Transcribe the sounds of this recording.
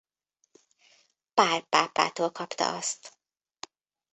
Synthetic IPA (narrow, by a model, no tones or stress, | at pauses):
paːrpaːpa̰ːt̪oːlkʰɒpt̪ɒ̰ɒst̪